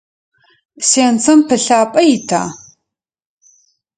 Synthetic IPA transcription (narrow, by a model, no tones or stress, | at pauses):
seːnt͡sʰɐmpʰɨɬaːpʼɐjɪtʰa̰ː